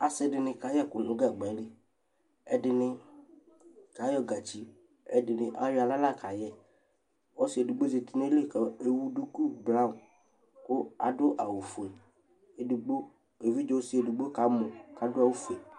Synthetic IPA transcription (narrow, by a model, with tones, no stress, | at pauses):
a˨sɪ˦ɖɪ˨nɪ̃˨ka˨˦jɛ˦kʊ˨nʊ̃˨˦ɡa˨ɡ͡bɛ˨˦ɖɪ˦ | ɛ˦ɖɪ˨nɪ̃˨ | ka˨˦jɔ˦ɡa˨t͡ʃi˦ | ɛ˦dɪ˨nɪ̃˨ʔa˦ja˨la˦la˦ka˨jɛ˦ | wɔ˦si˨˦e˨du˨ɡ͡bo˦ze˨t̪i˨n˦e˦le˦˨kɔ˨e˨wu˦ɖu˦ku˦bla˦˨m˨ | kʊ˦a̰˨dʊ˦ʔa˨wu˨fe˨ | e˨du˨ɡ͡bo˦ | e˨vi˦d͡ʒɔ˦si˨˦e˨du˨ɡ͡bo˦ka˨˦mo˨ka˨˦dʊ˦a˨wu˦fe˨